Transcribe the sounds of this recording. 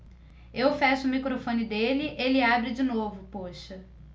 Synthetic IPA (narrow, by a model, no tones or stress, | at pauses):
ewfaʃʊʊmikɾofõnɪd̪elɪʔelɪabɾɪd͡ʒinovʊpoʃɐ